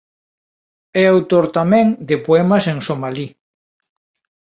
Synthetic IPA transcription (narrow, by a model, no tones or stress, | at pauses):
ɛawt̪oɾt̪amɛ̃ŋd̪epoɛmɐseŋsomali